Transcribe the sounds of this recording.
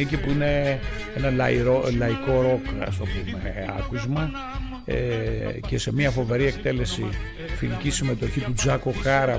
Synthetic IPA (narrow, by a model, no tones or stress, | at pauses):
icipuine̞ | enɐlɐiɾolɐiko̞ɾo̞kɐ̰st̪o̞pume̞̰ɐ̰kuzmɐ | ece̞se̞miɐfo̞ve̞ɾie̞kt̪e̞le̞si | filicisime̞t̪o̞çit̪ud͡zɐko̞xɐɾɐ